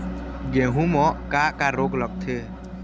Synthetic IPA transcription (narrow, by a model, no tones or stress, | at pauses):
ɡẽɦũmɔ̃ʔkakaɾoklək̚t̪ʰe